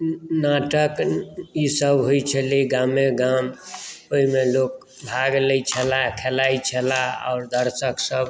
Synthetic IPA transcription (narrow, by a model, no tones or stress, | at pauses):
naʈəkisəbɦojt͡ʃʰəliɡameɡamoimelok̚ | bʱaɡləjt͡ʃʰəlakʰelait͡ʃʰəlaɔ̰ʊɾd̪əɾsəksəb